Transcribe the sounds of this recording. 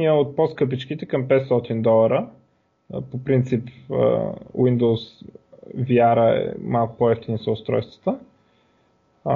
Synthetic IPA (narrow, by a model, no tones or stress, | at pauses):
iɛot̪̚pɔskɤp̬it͡ʃk̟it̪ɛkəmpɛt̪st̪ɔt̪ind̪ɔlˠɐɾə | popɾint̪sipə̰wind̪oʊs | vjaɾəɛɛ̰malˠkʊ̥pɔɛft̪inisəʊst̪ɾɔ̰jst̪və̥t̪ə